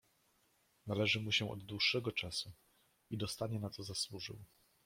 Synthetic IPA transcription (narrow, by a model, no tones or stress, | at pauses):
nalɛʐɘmuɕɛʔɔ̰d̪d̪wuʂːɛɡɔt͡ʂasu | id̪ɔst̪aɲɛnat̪sɔzaswuʐɘ̰w